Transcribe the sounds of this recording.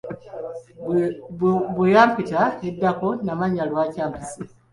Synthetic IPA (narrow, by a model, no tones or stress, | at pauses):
bujaːmpitaedːakonamaɲalwacaːmpisi